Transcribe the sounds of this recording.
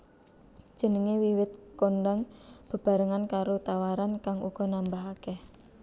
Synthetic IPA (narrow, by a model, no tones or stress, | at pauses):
d̥ʒ̥ə̤nəŋewiwɪt̪̚koɳɖaŋb̥ə̤b̥a̤ɾəŋankaɾot̪awaɾankaŋuɡ̥ɔ̤nambaɦakɛh